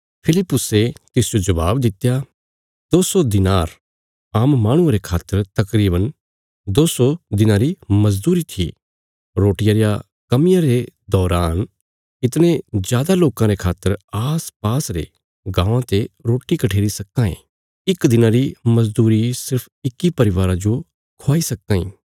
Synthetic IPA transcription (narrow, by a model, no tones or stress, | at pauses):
pʰɪlɪpːʊset̪ɪsɪjod͡ʒɐbaːbd̪ɪt̪ːja | d̪oːsod̪ɪnaːɾ | aːmːaːɽ̃ʊ̃aɾekʰaːt̪ːəɾt̪ɐkɾiːbən | d̪oːsod̪ɪnãɾimɐzd̪uːɾit̪ʰḭ | ɾoːʈɪjaɾja | kɐmɪjãɾed̪ɔːɾaːn | ɪt̪ñẽzjaːd̪aloːkãɾekʰaːt̪ːəɾaːspaːsɾḛ | ɡãːãt̪eɾoːʈikɐʈʰeːɾisɐkːãːḭ̃ | ɪkd̪ɪnãɾimɐzd̪uːɾisɪɾpʰɪkːipɐɾɪʋaːɾãd͡ʒo | kʰoaːisɐkːãːḭ̃